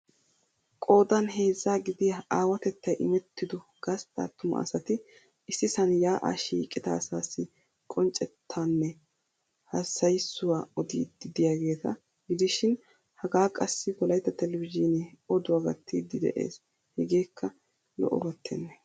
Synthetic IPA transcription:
kʼo̞ːd̪ɐnɦe̞ːzːaːɡɪd̪ɪjaaːwɐt̪ɛt̪ːɐjʔɪmɛt̪ːɪd̪ʊɡ̥ɐst̪ʼa̰ːt̪ːʊmɐ̰ʔɐ̰sɐt̪ɪ | ʔɪsːɪsɐnjaːʔa̰ːʃiːkʼːɪd̪ɐːsaːsːɪ | kʼɔnt͡ʃʼɛt̪ʰːaːnːɛ | hɐsɐjsːʊwaːɔd̪ḭːd̪ɪd̪ɪjaːɡe̞ːt̪ɐ | ɡɪd̪ɪʃɪn | hɐɡaːkʼɐsːɪkɔlɐjt̪ːɐt̪ɛlɛvɪzinɛɔd̪ʊwaɡɐt̪ʰːiːd̪ːɪd̪ɛ̰ʔḛːs | hɛɡe̞ːkʰːɐ | lɔ̰ʔɔ̰bɐt̪ʰːɛ̰nːɛ

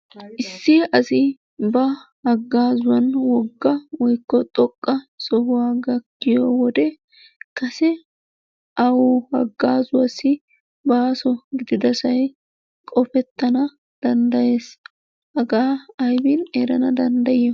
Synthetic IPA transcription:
ʔɪsːɪʔɐsɪ | bɐhɐɡːaːzʊwɐnwɔɡːɐwɔjkːɔt̪ʼɔkʼːɐsɔhʊwaːɡɐkːɪjɔːwɔd̪ɛ | kɐsɛ | ʔɐwɔhɐ̰ɡːaːzʊwɐsɪ | baːsɔɡɪd̪ɪd̪ɐsɐj | kʼɔfɛt̪ːɐnɐ | d̪̥ɐnd̪ɐje̞ːs | hɐɡaːɐjbɪneɾɐnɐd̪ɐnd̪ɐjɛ

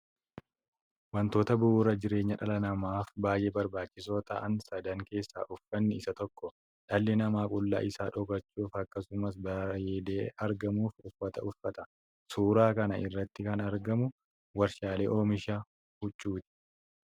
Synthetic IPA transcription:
wɐnt̪o̞ːt̪ɐbʊuːɾɐd͡ʒɪɾe̞ːɲːɐᶑɐlɐnɐmaːfbaːjʔeːbɐɾbaːt͡ʃːɪso̞ːt̪ɐʔɐnsɐd̪ɐŋke̞ːsːa̰ːʔʊfːɐnːɪɪsɐt̪ɔkːɔ | ᶑɐlːɛnɐmaːkʼʊlːa̰ːʔɪsaːᶑɔkɐt͡ʃːuːfɐkːɐsʊmɐs̬bɐjed̪eːɐɾɡɐmuːfʊfːɐt̪ɐʔʊfːɐt̪ɐ̥ | suːɾaːkɐnɐʔɪrːɐt̪ːɪkɐnɐɾɡɐmʊ | wɐɾʃaːleːʔoːmɪʃɐ | hʊt͡ʃʼːuːt̪ɪ̥

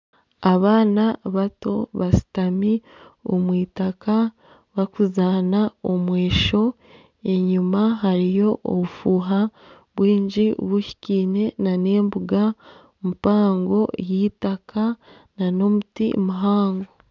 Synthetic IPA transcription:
aβaːnaβato̞βasi̥tami | o̰mwiːtaka | βakuzaːnaomwe̞ːʃo̞ | e̞ɲumaɦaɾijo̞ʔo̰βufuːɦa | βwiːɲɟiβuçi̥ciːne̞nane̞ːmbuɡa | mupaːŋɡo̞jiːtakʰa | nano̞mutḭmuɦaːŋɡo̞

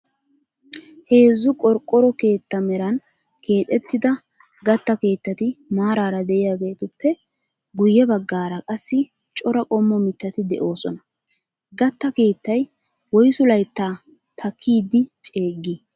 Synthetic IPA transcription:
he̞ːzːʊkʼɔɾkʼːɔɾɔke̞ːt̪ːɐmɛɾɐn | ke̞ːt̪ʼːɛt̪ːɪd̪ɐ | ɡɐt̪ːɐke̞ːt̪ːɐt̪ɪmaːɾaːɾɐd̪ɛʔɪjaːɡe̞ːt̪ʊpːɛ | ɡʊjːɛbɐɡːaːɾɐkʼɐsːɪ | t͡ʃʼɔɾɐkʼɔmːɔmɪt̪ːɐt̪ɪd̪ɛ̰ʔo̞ːsɔnɐ | ɡɐt̪ːɐke̞ːt̪ːɐj | wɔjsʊlɐjt̪ːaː | t̪ʰɐkʰːiːd̪ɪt͡ʃʼe̞ːɡːi

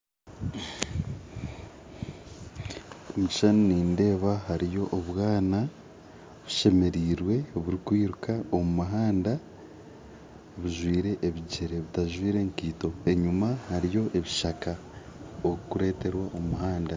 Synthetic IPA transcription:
omuci̥ʃanoniːnde̞ːβahaɾijo̞ʔoβwaːna | βuʃe̞me̞ɾiːɾwe̞βuɾikwiːɾukao̞mumaɦaːnda | βuʒwiːɾe̞ʔːβiɟeɾe̞βitaʒwiːɾe̞ŋkiːto̞e̞ɲumahaɾijo̞ʔe̞βiʃaka | okukuɾe̞ːte̞ɾwaʔomumuɦaːnda

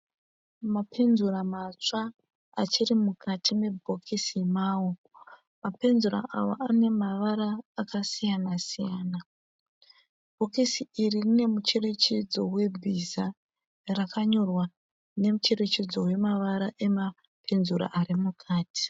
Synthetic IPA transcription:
mapʰe̞nzuɾamat͡ʂa | at͡ʃirimukʰatʰime̞bʱo̞kʰisimaːwo | mape̞nzura̰ʔa̰ʋo̰ʔane̞maʋaɾaːkasijanasijaːna | b̥ʱo̞kisiiririne̞mut͡ʃe̞re̞t͡ʃed͡zo̞we̞bʱiza | rakaɲo̞rwa | ne̞mut͡ʃe̞ret͡ʃed͡zo̞we̞maʋaɾaʔe̞ma | pʰe̞nzuɾa̰ʔaɾimukʰaːtʰi̥

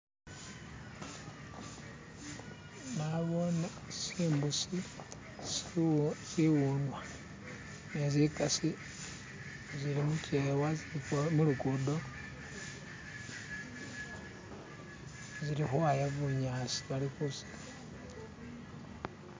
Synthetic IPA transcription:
naβon | siːmbusi | ziwunwa | nezikasi | ziɾimucewazmulukudo | ziɾixwajaβuɲasi̥βalixusi̥

